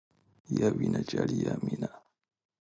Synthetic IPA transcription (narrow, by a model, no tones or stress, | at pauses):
jawinat͡ʃalijamina